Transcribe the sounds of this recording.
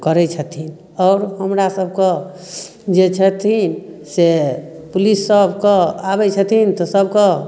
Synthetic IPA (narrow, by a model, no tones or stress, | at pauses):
kəɾɛt͡ʃʰət̪ʰin | ɔːɾɦəmɾasəbʱke | d͡ʒet͡ʃʰət̪ʰinsepulisːəbʱkəabɛt͡ʃʰət̪ʰint̪ɔsəbʱkə